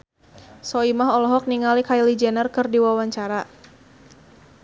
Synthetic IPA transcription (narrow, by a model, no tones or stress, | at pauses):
sɔimaɦɔlɔɦɔk̚niŋalikajlid͡ʒɛnərkɨrdiwawaɲt͡ʃaɾa